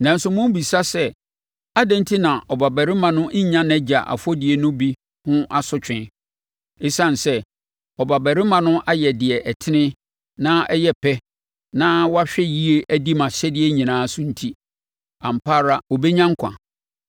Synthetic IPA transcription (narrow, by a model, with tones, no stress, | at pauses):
nã˨n̩˦sʊ˦mʊ̃˦bi˨sa˦sɛ˦ | a˦dɛ̃˦n˦tʰi˦nã˨ʔɔ˨ba˨bæ˨ɾɪ˦mã˨nʊ̃˦ʔ̩˦ɲã˦nɛ̃˦d͡ʑa˨ʔa̰˨fɔ˦dɪ˨e˨nʊ̃˦bi˦ | hʊ̃˦ʔa˦sʊ˨t͡ɕᶣɪ̃˦ | e˦sã˦n˨sɛ˦ | ɔ˨ba˨bæ˨ɾɪ˦mã˨nʊ̃˦ʔa˦jɛ˨dɪ˨ɛ˨ʔɛ˨tʰɪ˦nɪ̃˦ | nã˦ʔɛ˦jɛ˦pʰɛ˦ | nã˦wɔ˦a˦ɕᶣɛ˦ji˦e˦ʔæ˦di˦mã˨ɕɛ˦dɪ˦e˦ɲĩ˨nãː˦sʊ̃˦n̩˦tʰi˦ | ã˨m˨pʰa˦ɾa˨o˨be˦ɲã˦ŋ̩˦kʷʰã̰˨